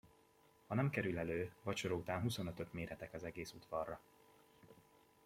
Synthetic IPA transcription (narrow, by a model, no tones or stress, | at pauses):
hɒnɛmkɛɾylɛløːvɒt͡ʃo̞ɾɒut̪aːnɦuso̞nøt̪øt̪meːɾɛt̪ɛkɒzɛɡeːsut̪vɒrːɒ